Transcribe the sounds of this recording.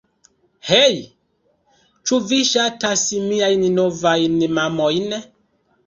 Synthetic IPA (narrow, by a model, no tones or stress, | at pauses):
hej | t͡ʃuviʃatasimiajninovajnimamojne